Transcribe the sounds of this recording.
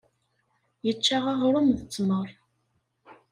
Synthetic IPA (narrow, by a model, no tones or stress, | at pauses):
jət͡ʃːaʁaʁɾˤʊmðət͡sːməɾˤ